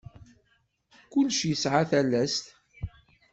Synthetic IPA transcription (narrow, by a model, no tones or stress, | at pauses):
kʊlːʃjəsʕaθælːæst̪